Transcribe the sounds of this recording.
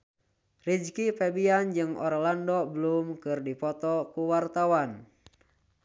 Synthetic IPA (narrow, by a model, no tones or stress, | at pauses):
rid͡ʒkipɛbiand͡ʒɨŋɔɾɔlandɔbəlumkɨrdipɔt̪ɔkuwart̪awan